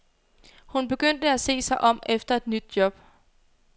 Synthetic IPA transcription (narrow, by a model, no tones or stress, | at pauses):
hunb̥e̝ɡ̥øn̰d̥əæse̝̰ːsɑ̈ɪʔɒ̽m̰efd̥ɐe̝d̥nyd̥̚jɒ̽b̥